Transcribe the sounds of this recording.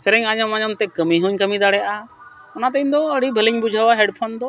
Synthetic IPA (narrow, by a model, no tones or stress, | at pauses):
sɛɾɛɲaɲɔmaɲɔmt̪ɛkəmiɦuɲkəmid̪aɽɛjaʔa | ɔnat̪əɲd̪ɔəɽibʱəliŋbud͡ʒʱəwaɦɛɖpʰɔnd̪ɔ